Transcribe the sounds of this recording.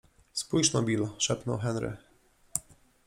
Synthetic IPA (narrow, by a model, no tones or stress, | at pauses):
spujʂnɔbʲilʂɛpnɔwɦɛnɾɘ̰